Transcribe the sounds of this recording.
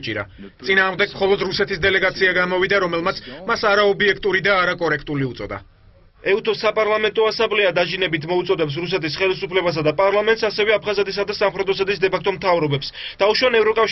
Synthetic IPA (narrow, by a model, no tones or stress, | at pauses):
t͡ʃʼiɾa̰ | t̪sʼinaːʁmd̪ɛɡmχɔlˠɔd̪ɾusɛt̪ʰisd̪ɛlɛɡat̪sʰiaɡamɔvid̪aɾɔmɛlˠmat̪sʰmasaɾaɔbiɛkʰt̪ʼuɾid̪aːɾakʼɔɾɛkʰt̪ʼuliut̪sʼɔ̰d̪a̰ | ɛut̪ʰɔsapʼaɾlˠamɛnt̪ʼɔasablɛad̪aʒinɛbit̪ʰmɔut̪sʼɔd̪ɛps̬ɾus̬ɛt̪ʰisχɛlisupʰlɛbas̬ad̪apʼaɾlˠamɛnt̪sasɛvɛapʰχazɛt̪ʼis̬ad̪asamχɾɛd̪ɔs̬at̪ʼis̬d̪ɛpʰakʰt̪ʼɔmt̪ʰavɾɔbɛpsd̪̥auʃwanɛvɾɔkʼafʃ